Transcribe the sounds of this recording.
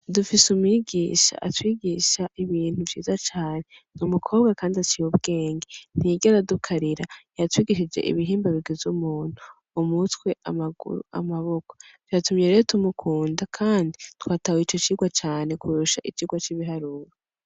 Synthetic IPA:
dufisumiɡiːʃa̰ʔatwiːɡiʃaʔiβiːn̥huvjḭːzat͡ʃaːne̞numukʰo̞ːβɡakaːndiat͡ʃijoβɡe̞ːŋɡen̥iɟaɾadukʰaɾiɾajatwiːɡiʃid͡ʒe̞̰ʔḭβiɦiːmbaβiɡizzumuːn̥u | umutwe̞ʔamaɡṵɾ̰a̰maβo̞kotwjatumɲeɾejotumukʰuːndakʰaːnditwaːtawit͡ʃo̞t͡ʃiɡwat͡ʃaːne̞kuɾuʃaʔit͡ʃiːɡwat͡ʃiβiɦaɾuːɾo

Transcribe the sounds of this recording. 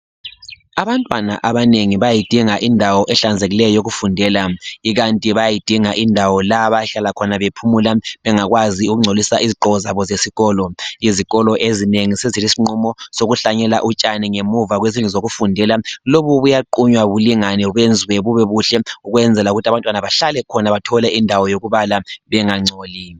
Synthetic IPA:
aβantʼwana̰ʔaβaneŋiβajajid̥ʱiŋaʔindʱawɔʔɛɬand͡zʱeɣilɛjɔjoɣufundʱɛlaiɣantʼiβajajid̥ʱiŋaʔindʱawɔlaβajaɬalakʰɔnaβepʰumulaβɛŋaɣwaziuɣuŋ͡ǀʱolisaʔiziǃɔɔzaβɔzesiɣɔːlɔiziɣɔlɔʔezineŋisezilisiŋ͡ǀɔmɔsoɣuɬaɲɛla̰ʔut͡ʃʼaniŋemuvaɣwezinuzoɣufundʱɛlaloβuβujaǃuɲwaβuliŋanɛuβend͡zʱiwɛβuβɛβuɬɛuɣwɛnd͡zʱɛlauɣutʰaβantʼwanaβaɬalɛkʰɔnaβatʰɔlɛʔindʱawɔjoɣuβalaβɛŋaŋ͡ǀʱoːli

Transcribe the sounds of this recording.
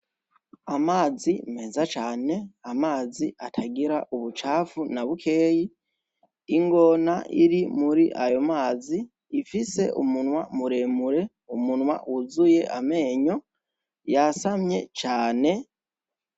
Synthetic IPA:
amaːzime̞ːzat͡ʃaːne̞amaːziʔatʰaɡiɾaʔuβut͡ʃaːfunaβukʰe̞ːjiː | ŋɡo̞naʔiɾimuɾiʔajo̞maːziː | fise̞̰ʔumunwamuɾe̞muɾe̞ | umunwa̰wʔuzuje̞ʔame̞ːɲo̞ | jasamɲe̞̰t͡ʃaːne̞

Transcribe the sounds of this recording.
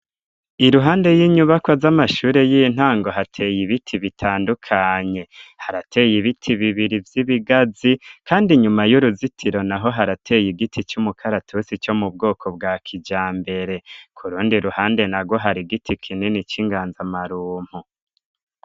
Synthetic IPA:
iɾuɦaːnde̞jiɲuβakwazamaʃuːɾe̞jiin̥haːŋɡo̞ɦatʰe̞ːjiβitʰiβitʰaːndukʰaɲe̞haɾatʰe̞jiβitʰiβiβiɾivjiβiɡazikaːndiɲumajuɾuzitʰiɾo̞naɦo̞ɦaɾatʰe̞ːjiɡitʰit͡ʃumukʰaɾatʰusit͡ʃo̞mub̚ɡo̞ːkʰo̞bɡakʰid͡ʒaːmbe̞ɾe̞kʰuɾuːndiɾuhaːnde̞naɡwo̞ɦaɾiɡitʰikʰininit͡ʃiŋɡaːnzamaɾuːm̥hu

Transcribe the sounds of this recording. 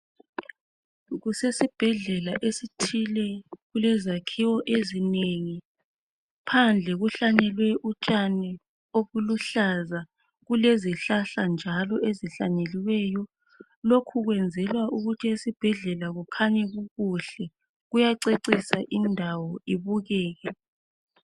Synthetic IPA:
ɣusesib̥ʱɛɮɛlaʔesitʰilɛɣulɛzakʰiwɔʔezineŋi | pʰand͡ɮʱɛɣuɬanɛlwɛʔut͡ʃʼanɛ | oβuluɬaza | ɣuleziɬaɬand͡ʒʱalɔʔeziɬa̰neliwɛjɔ | lokʰuɣwɛnd͡zʱɛlwaʔuɣutʰiesib̥ʱɛɮɛlaɣukʰaɲɛɣuɣuɬɛ | ɣujaǀeǀisaʔindʱawɔiβuɣɛːɣɛ

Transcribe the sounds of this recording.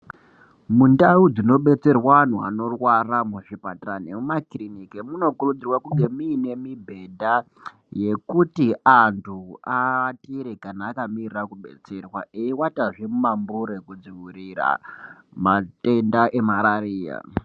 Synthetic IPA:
mundaud͡zino̞ɓe̞t͡se̞rwan̤ua̰no̞rwaramuʐipataranemumakrinikemuno̞kurud͡zirwakuŋɡe̞miːne̞mibʱe̞dʱa | je̞kutiantʰuatiɾekanaːkamirirakuɓe̞̰t͡se̞rwa̰eiwataʐemumambuɾekud͡ziwuɾira̰mate̞ndaʔe̞maɾariːja̰

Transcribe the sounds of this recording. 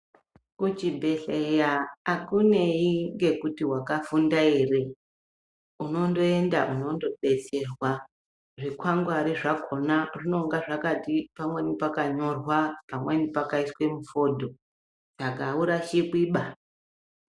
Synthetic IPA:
kut͡ʃibʱe̞ɬejaːkune̞iŋɡe̞kutiwakafundaire | uno̞ndo̞e̞ndaʔuno̞ndo̞ɓe̞t͡se̞rwa | ʐikwaŋɡwaɾiʐakʰo̞narino̞uŋɡaʐakatipamwe̞nipakaɲo̞rwapamwenipakaiswe̞mufo̞dʱo̞ | t͡ʃaɡauɾaʃiɓiːɓa

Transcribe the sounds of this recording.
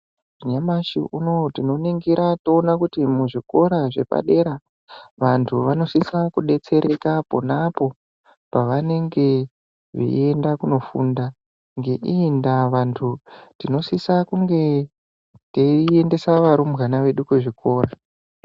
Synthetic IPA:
ʐiɲamaʃḭʔuno̞tino̞neŋɡiɾatoːnakutimuʐiko̞ɾaʐe̞̰pa̰ɗe̞ɾa | ʋantʰuʋano̞sisakuɗe̞t͡se̞ɾʔe̞kapo̞napo̞ | paʋane̞ŋɡe̞ | ʋḭe̞ndakuno̞funda | ŋɡe̞ʔindaʋantʰutino̞sisakuŋɡe̞ | tee̞nde̞saʋaɾumbɣanaʋe̞ɗukweʐikʰo̞ːra

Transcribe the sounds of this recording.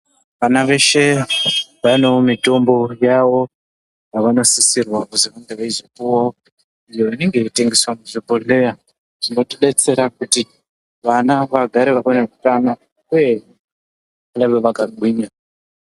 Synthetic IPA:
ʋanaʋe̞ʃe̞ | ʋanomito̞mbo̞jawo̞ | jaʋano̞sisirwakuziʋaŋɡeʋaizopuwao | ijo̞ʋane̞ŋɡe̞ite̞ŋɡe̞swamuʐipole̞ja | ʐ̥ino̞tiɗe̞t͡se̞ɾakuti | ʋanaʋaɡʱaɾeʋakanku̥tana | kuje | anaβeʋakaǃwiːɲa

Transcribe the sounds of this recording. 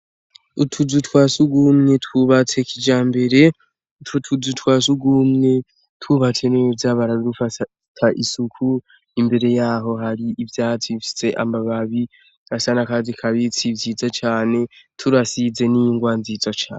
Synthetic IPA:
utʰuzutwaːsuɡumŋe̞twuβat͡se̞kʰid͡ʒaːmbe̞ɾe̞ | tutʰuzutwaːsuɡumŋe̞ | twuβat͡se̞nevzaβaɾadufa | tʰaʔisukʰu | imbe̞ɾe̞jaːɦo̞ɦaɾiʔivjaːhatwifi̥se̞ʔa̰mbaβaβi | asanakazikʰaβit͡sivziːd͡zat͡ʃaːne̞tʰuɾasize̞niŋɡwanziːzat͡ʃa̰ːne

